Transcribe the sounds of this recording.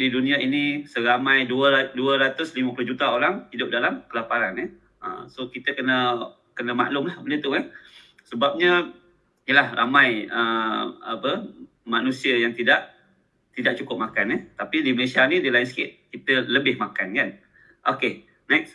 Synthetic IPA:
didunĩainisəɾamãjduəduəɾat̪ʊsliməplʊhd͡ʒut̪aoɾaŋhidʊp̚dalamkəlapaɾanɛh | ə̰sokit̪əkənə | kənəma̰ʔlʊmlahbənɪət̪ukan | səbap̚ɲə | jəlahra̰mãjəa̰pə | manusiəjaŋt̪idaʔ | t̪idaʔ̚t͡ʃukʊp̚makanɛht̪apidiməlesianĩdilaɪnsə̥kɪt̪̚kit̪ələbɪhmakankan | ʔoke | nɛks

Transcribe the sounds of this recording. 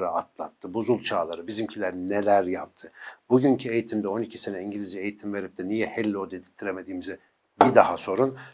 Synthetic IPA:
ɾaat̪ʰlˠa̰t̪ʰːɯbuzulˠt͡ʃʰaːlˠaɾɯbizimcʰilʲæɾnelʲæɾjap̚t̪ʰɯb̥uɟyncʰye̞jit̪ʰimd̪ɛo̞nicʰi̥senɛiɲɟilʲiziejit̪ʰimve̞ɾip̚d̪ʰɛnijɛhɛlʲːod̪ed̪i̥t̪ʰːiɾeme̞d̪iːmizɛ | bid̪ahaso̞ɾun

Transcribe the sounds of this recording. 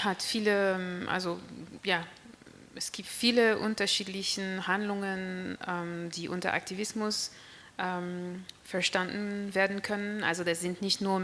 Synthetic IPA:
hatfiːləʔa̰lzojaː | ɛsɡ̥iːp̚tfiːləʔʊ̰ntɐʃiːtlɪçn̩handlʊŋənʔɛːmdiːʔʊ̰ntɐ̰ʔa̰k̚tʰivɪsmʊs | ʔɛːmfɛɐʃtandn̩veːɐdn̩kʰœnənʔa̰lzodaz̥ɪntnɪçtnuːɐ

